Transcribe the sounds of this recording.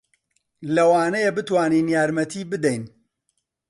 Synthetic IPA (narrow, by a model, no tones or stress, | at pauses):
lɐwaːnɐjebɨt̪waːniːnijaːɾmɐt̪ʰiːbɨd̪ɛjn